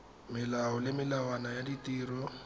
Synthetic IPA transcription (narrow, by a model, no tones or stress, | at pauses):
mɪlaɔlɪmɪlawanajaditiːrɔ